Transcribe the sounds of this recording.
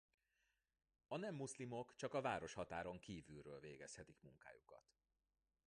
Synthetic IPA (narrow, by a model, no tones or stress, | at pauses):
ɒnɛmːuslimo̞kt͡ʃɒkɒvaːɾo̞ʃhɒt̪aːɾo̞ŋkiːvylrø̰ːlveːɡɛshɛt̪ikmuŋka̰ːjukɒ̰t̪